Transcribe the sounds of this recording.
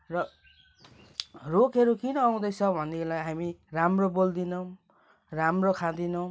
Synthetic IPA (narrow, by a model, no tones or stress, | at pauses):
rʌ | rokʰeɾukinʌːaw̃d̪ʌjt͡sʰʌbʱʌnilajɦamiramrobold̪inʌw̃ | ramrokʰad̪inʌw̃